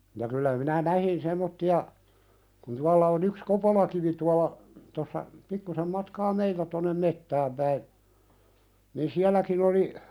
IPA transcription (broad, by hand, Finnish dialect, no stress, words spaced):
jɑ kylːæ minæ næhin semˑotːiɑ kun tuɑlːɑ on yks kopolɑkiʋi tuɑlɑ tosːɑ pikːusem mɑtkɑː meiltæ tonːem metːæːm pæi nin siælˑækin oli